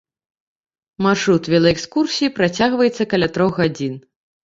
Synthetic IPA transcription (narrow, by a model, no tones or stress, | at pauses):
marʂɾut̪vʲɛlˠɐɛkskursʲijipɾat͡sʲaɣvɐjɛt̪sːɐkɐlʲat̪ɾɔɣɣad͡zʲin